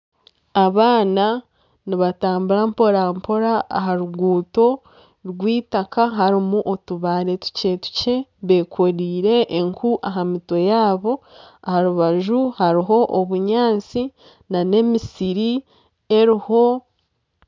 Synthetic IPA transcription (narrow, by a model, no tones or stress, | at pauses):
aβaːna | niβataːmbuɾampo̞ɾampo̞ɾaːɦaɾuɡuːto̞ | ɾɡwiːtakaɦaɾimuʔotuβaːɾe̞tu̥ce̞tu̥ce̞βe̞koɾiːɾe̞ʔːŋkuʔaɦamitwo̞jaːβo̞ahaɾuβaʒuhaɾiɦo̞ʔoβuɲaːnt͡si | nane̞misiɾi | e̞ɾiho̞